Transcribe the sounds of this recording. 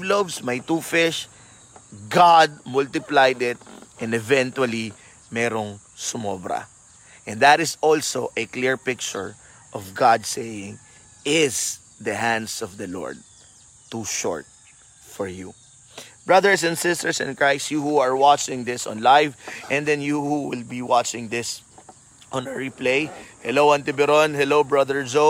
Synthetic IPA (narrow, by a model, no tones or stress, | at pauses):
lovsmajt̪uːfɪʃ | ɡad̪̚mʊlt̪ɪplajd̪ɪt̪̚ʔɛ̃nɛvɛ̃nt̪wɐli | mɛɾoŋ | sʊmɔbɾɐ̰ | ʔɛ̃nd̪at̪ɪsɔlsoʔɛklɪɹpɪk̚t͡ʃʊɹ | ʔɔvɡɑd̪̚sejɪ̃ŋ | ɪs | d̪ɐɦæ̃nd̪sɔvd̪ɐlɔ̰ɹd̪̚ | t̪uʃɔ̰ɹt̪̚ | fɔɹjṵ | b̥ɹʌðəɹs̬ɛ̃nd̪sɪst̪əɹsɛ̰̃nkɹajstjuhuaɹwat͡ʃɪ̃ŋd̪ɪsɔ̰̃nlajvʔɛ̃nd̪ɛ̃njuhuwɪlbiwat͡ʃɪ̃ŋd̪ɪs | ʔɔ̃nɛɹiplejhɛlowɐ̃nt̪ɪbɛɾɔnɦɛlowbɹɐðəɹd͡ʒo